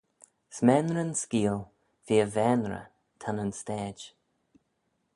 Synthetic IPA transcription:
smɛːnɾənskiːlˠ | viːəvɛːnɹə̰ | t̪ʰanənstɛːd͡ʒ

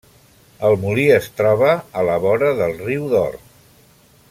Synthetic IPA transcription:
əlˠmuliəst̪ɾɔβəːləβɔɾəðəlˠriwðɔ̰r

